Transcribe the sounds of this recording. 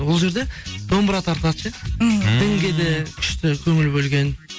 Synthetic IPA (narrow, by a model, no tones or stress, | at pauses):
wo̞lˠʒe̞ɾd̪e̞d̪̥o̞mbəɾɑt̪ʰɑɾt̪əɑd̪əʃed̪ʰɪŋɡʲed̪ekʲʰʏ̥ʃt̪ɪkʲʰɵŋɪlbɵlɡʲe̞n